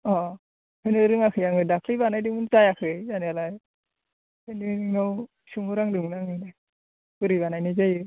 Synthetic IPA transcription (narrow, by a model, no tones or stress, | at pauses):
ɔ | hɯnɯɾɯŋakʰɯjaŋɯdakʰlibanajdɯmuntajakʰɯjzanialaj | ɯnɯɯŋnaw | suŋɔɾaŋdɯŋnaŋɯnaj | bɯɾiβanajnɯjzajɯ